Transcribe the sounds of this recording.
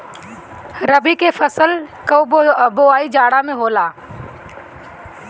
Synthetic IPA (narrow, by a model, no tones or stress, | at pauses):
ɾəbikefʰəsəlkəboːaːiːd͡ʒaːɽamẽɦoːlaː